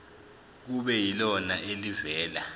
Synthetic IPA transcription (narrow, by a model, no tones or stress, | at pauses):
k̬uɓɛjilɔnaʔelivɛːla